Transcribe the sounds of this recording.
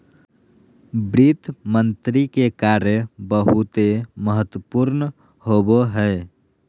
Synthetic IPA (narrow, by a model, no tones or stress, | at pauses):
bɾit̪mənt̪ɾikekaɾəbəɦut̪eməɦət̪wəpuɾn | ɦoboɦɛ